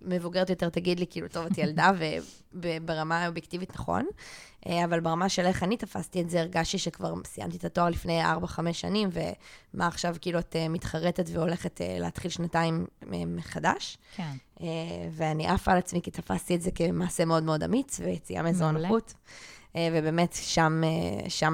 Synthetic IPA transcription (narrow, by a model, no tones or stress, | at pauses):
me̞vuɡeʁet̪jo̞te̞ʁt̪aɡidlikiːluto̞vat̪jaldave | bebeʁamaobjektivitnaχo̞̰nʔeavalbeʁamaʃeleχanitafastietzeiʁɡaʃtiʃekva̰ʁsija̰mt̪it̪ato̞aʁlifneja̰ʁbaχameʃa̰nimvḛmʔaːχʃavkiːluatemit̪χaʁetetveo̞le̞χet̪ʰḛlḛatχilʃnataimḛmːeχada̰ʃ | eveaniʔafalat͡smikit̪afa̰stietzekemaːse̞meo̞dmeo̞da̰mit͡svejet͡sia̰mezonχutevebe̞ːmetʃamḛʃam